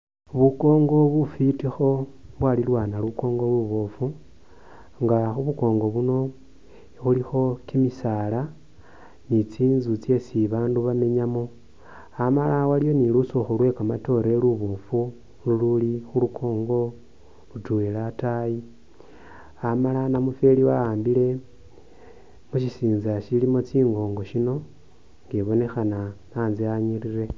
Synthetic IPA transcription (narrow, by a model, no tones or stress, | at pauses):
βuko̞ːŋɡo̞βufitixo̞βwalilwanaluko̞ːŋɡoluβo̞fu | ŋɡaxuβuko̞ːŋɡo̞βuno̞ | xulixo̞kimisala | nit͡siːnzut͡sje̞siβaːnduβame̞ɲamo | amalawaljo̞nilusoxolwe̞kamato̞ɾe̞luβo̞ːfu | lululixulukʰo̞ːŋɡo̞ | lutuwelataji | amalanamufeliwaaːmbile̞ | muʃisiːnzaʃilimot͡siːŋɡo̞ːŋɡo̞ʃino̞ | ŋɡeβo̞ne̞xananaːnziaɲiɾire̞